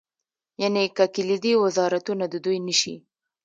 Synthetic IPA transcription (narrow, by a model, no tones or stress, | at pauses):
janekakɪlid̪iwɪzɑɾat̪unad̪əd̪ujnəʃḭ